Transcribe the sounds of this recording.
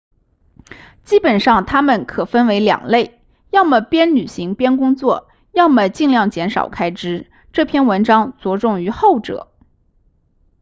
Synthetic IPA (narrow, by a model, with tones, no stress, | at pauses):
t͡ɕi˥pə˨˩nʂɑ˥˩ŋt̪ʰa˥mə˨˩nkʰɤ˨˩fə˥nwe˧˥ɪljɑ̰˨˩ŋle˥˩ɪ | jɑ˥˩ʊmə˩pjɛ˥nny˨˩ɕi˧˥ŋpjɛ˥nkʊ˥ŋt͡swɔ˥˩ | jɑ˥˩ʊmə˩t͡ɕi˥˧ŋljɑ˥˩ŋt͡ɕjɛ˧˥nʂɑ̰˨˩ʊkʰa˥ɪʈ͡ʂɻ̩˥ | ʈ͡ʂɤ˥˧˩pʰjɛ˥˩nwə˧˥nʈ͡ʂɑ˥ŋt͡swɔ˧˥ʈ͡ʂʊ˥˩ŋy˧˥xo˥˩ʊʈ͡ʂɤ̰˨˩˦